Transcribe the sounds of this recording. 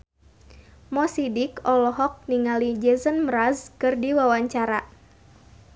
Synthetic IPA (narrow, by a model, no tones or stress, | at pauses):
mɔsidikɔlɔɦɔk̚niŋalid͡ʒɛzənmɾazkɨrdiwawaɲt͡ʃaɾa